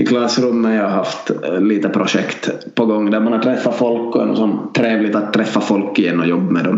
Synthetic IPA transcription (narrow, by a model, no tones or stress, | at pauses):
ɪkʰlɑsɾɵmːaɑaɦaft̪liːt̪əpʰɾʊʂɛkt̪ | pʰɔɡɔŋːd̪æɾmanhaʈ̪ʰɾɛfːafɔlkːɔɛnɔ̰sɔmt̪ʰɾeːvlɪt̪at̪tʰːɾɛfːafɔlkːɪjɛnːɔjɔbːmɛd̪ɔm